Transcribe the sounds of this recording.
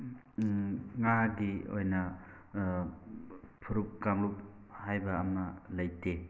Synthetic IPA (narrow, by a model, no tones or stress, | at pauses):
ŋadio̰jnɐ | pʰuɾup̚kaŋlup̚ | hajbɐːmɐlɐjte